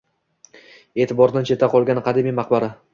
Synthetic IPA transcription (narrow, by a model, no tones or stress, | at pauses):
eːt̪ʰɪbɒɾd̪ant͡ʃʰe̞t̪ːaqʰɒlˠɡʲanɪqʰɑd̪emijmaq̚baɾa